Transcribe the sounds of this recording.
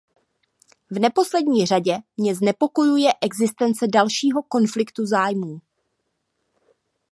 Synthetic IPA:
vnɛpo̞slɛdɲiːr̝aɟɛmɲɛznɛpo̞ko̞jujɛʔɛɡzɪst̪ɛnt͡sɛdalʃiːɦo̞ko̞nflɪkt̪uzaːjmuː

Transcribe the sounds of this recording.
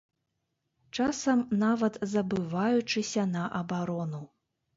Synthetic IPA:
t͡ʂasɐmnavɐt̪zɐbɨvajut͡ʂɨsʲɐnɐʔɐbaɾɔnu

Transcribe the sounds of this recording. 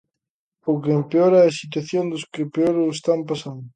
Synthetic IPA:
ʊkeempeoɾɛɐsit̪̬waθjond̪ʊskɪpeoɾʊest̪ampasand̪ʊ

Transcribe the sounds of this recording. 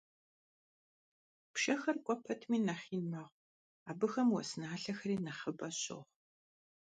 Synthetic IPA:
pʃɐxɐrkʷʼɔpʰɐtʰmiːnɐχiːnmɐʁ | aːbɨxɐmwɔ̰snaːɬɐxɐriːnɐχəbɐɕʼo̰ʁ

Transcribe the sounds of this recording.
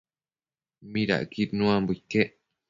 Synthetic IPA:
mĩɾa̰ʔkiɾnũãmbuike

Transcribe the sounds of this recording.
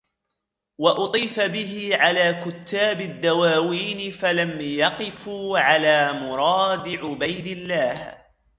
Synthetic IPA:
wɑʔʊt̪ˤiːfabɪhɪʕalaːkʊt̪ːaːbɪd̪ːawaːwiːnɪfalamjɑqɪfuːʕalaːmʊɾˤɑːd̪ɪʕʊbajd̪ɪlːaːh

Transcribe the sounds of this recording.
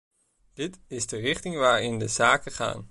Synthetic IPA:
d̥ɪtɪzdərɪχtɪŋʋaːɹɪndəzaːkəχa̰ːn

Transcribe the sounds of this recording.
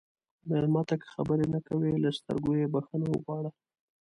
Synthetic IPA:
malmɑt̪akə̥xabəɾenakawelast̪ə̰ɾɡojebaxənawə̰ɣwɑɽa

